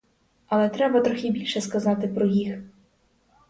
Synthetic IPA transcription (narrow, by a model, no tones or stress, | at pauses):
ɐlˠɛt̪ɾɛbɐt̪ɾɔxʲibʲilʲʃɛskɐzɑt̪ɪpɾɔjix